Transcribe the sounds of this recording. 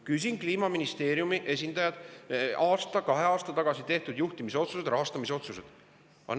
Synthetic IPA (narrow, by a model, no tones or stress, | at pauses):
kys̬ʲinkliːmɑminist̪e̞ːɾjumiʔe̞s̬ʲind̪ɑjɑd̪̥ɑːst̪ɑkɑɦe̞ɑːst̪ɑt̪ɑɡ̥ɑsit̪e̞ht̪ud̪̥juht̪imiseo̞t̪suse̞d̪ɾɑɦɑst̪ɑmiseo̞t̪suse̞d̪̥ | ɑ̰n